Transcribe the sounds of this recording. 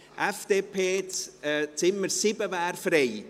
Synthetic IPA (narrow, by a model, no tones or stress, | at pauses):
ɛfd̥̪eːpʰeːt͡st͡sɪmːəɾsɪbəvaːɾfɾej